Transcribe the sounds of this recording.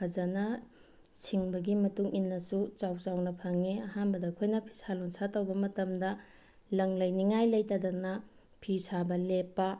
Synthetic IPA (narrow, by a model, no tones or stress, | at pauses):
ɐzɐnɐ | sʰiŋbɐɡimɐtuŋinːɐsut͡ʃawt͡ʃawnɐpʰɐŋiɐhanbɐdɐkʰojnɐpʰi̥salonsatɐwbɐmɐtɐmdɐ | lɐŋlɐjniŋajlɐjtɐdɐnɐ | pʰisabɐlepːɐ